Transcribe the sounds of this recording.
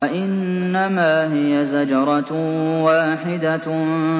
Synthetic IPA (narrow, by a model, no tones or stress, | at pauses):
aʔɪnːamaːɦɪjazad͡ʒɑɾˤɑwaːħɪd̪a